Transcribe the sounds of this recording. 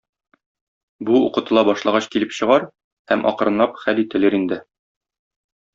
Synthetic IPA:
buuqɤ̆t̪ɤ̆lˠɑbɒʃlˠɑʁɑɕkilɘpɕɤ̆ʁɑɾ | hæmʔɒ̰qɤ̆ɾɤ̆nlˠɑpχælit̪ɘ̆lɘɾind̪ɘ

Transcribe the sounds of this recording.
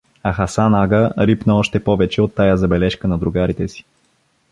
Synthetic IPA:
ɐxasanaɡəɾipnəɔʃt̪ɛpɔvɛt͡ʃɛot̪ːajazɐbɛlɛʃkənɐd̪ɾʊɡaɾit̪ɛsi̥

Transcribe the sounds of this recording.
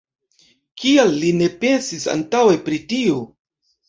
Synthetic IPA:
kialːine̞pe̞nsisa̰ntawe̞pɾitio

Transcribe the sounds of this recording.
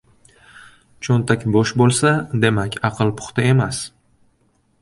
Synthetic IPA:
t͡ʃʰont̪ʰakʲboʃbolˠsad̪e̞makʲʰɑqʰɨlˠpʰʊ̥χt̪ae̞mas

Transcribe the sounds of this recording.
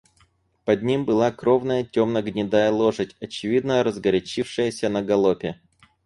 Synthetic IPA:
pɐd̪̚ʲnʲimbɨlˠakɾovnəjətʲomnəɡnʲɪd̪ajəlˠoʐɨtʲɐt͡ɕɪvʲid̪nəɾəzɡɐɾʲɪt͡ɕifʂɨjəsʲənəɡɐlˠopʲɪ

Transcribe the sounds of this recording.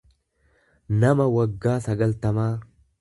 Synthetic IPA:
nɐmɐwɐɡːaːsɐɡɐlt̪ɐmaː

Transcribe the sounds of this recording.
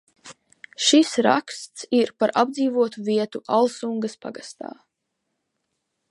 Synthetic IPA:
ʃisɾa̰kst̪siɾpaɾʔabd̪ziːvuɔt̪uviɛt̪uʔalˠsuŋɡaspa̰ɡast̪a̰ː

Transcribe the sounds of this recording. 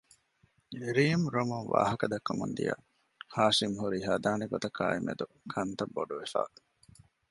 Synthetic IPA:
iɾiːmɾomunʋa̰ːɦɐkɐd̪ɐkːɐmund̪ijɐ̰ | haːʃimɦuɾiɦɐd̪aːniɡot̪ɐka̰ːimḛd̪u | kʰɐnt̪ɐbːoɖuʋefa̰ː

